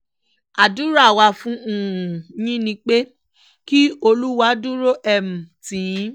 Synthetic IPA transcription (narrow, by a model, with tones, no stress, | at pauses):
a˨du˦ɾa˦˨wa˧fũ˦ũ˨jĩ˦nĩ˧˦k͡pe˦ | ki˦o˧lu˦wa˦du˦ɾo˦ʔɛ˨m̩̃˨ti˨˦